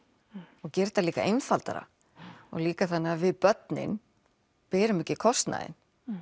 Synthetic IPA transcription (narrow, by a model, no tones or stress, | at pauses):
ɔɣcɛɾ̥t̪aliːka̰ʔejnfalt̪a̰ɾa̰ | ɔ̰ɣliːkaθanːɪavɪðpœt̪nɪ̰n | pɪːɾʏmɪcɪkʰɔst̪na̰ɪ̰n